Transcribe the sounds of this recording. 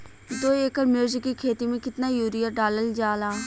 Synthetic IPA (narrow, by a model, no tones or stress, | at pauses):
d̪oːeːkəɾmjuːzɪkːikʰeːt̪imẽkɪt̪naːjuːɾijəɖaːləld͡ʒaːlaː